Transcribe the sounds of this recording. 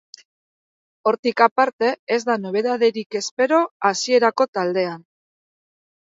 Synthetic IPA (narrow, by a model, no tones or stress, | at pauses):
o̞ɾt̪ikapaɾt̪e̞ezd̪ano̞β̞e̞ðaðeɾike̞spe̞ɾo̞asie̞ɾako̞t̪ald̪e̞an